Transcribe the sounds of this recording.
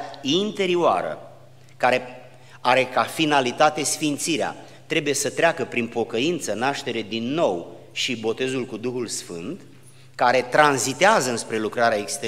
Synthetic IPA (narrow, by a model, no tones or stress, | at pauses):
int̪e̞ɾioa̰ɾə̰ | kaɾe̞ | aɾe̞kafinalit̪at̪e̞sfint̪siɾea̰ | t̪ɾe̞buje̞sət̪ɾeakəpɾinpo̞kəint̪sənaʃt̪e̞ɾe̞d̪inːo̞w | ʃibo̞t̪e̞zulkud̪uxulsfɨ̰nt̪ | kaɾe̞t̪ɾanzit̪eazəɨnspɾe̞lukɾaɾeaekst̪e